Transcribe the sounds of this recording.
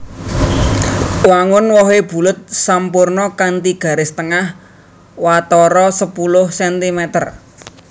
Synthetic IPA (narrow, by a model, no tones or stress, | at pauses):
waŋʊnwɔɦeb̥ṳlʊt̪̚sampʊrnɔkant̪iɡ̥a̤ɾɪst̪əŋah | wat̪ɔɾɔsəpulʊhsɛnt̪imɛt̪ər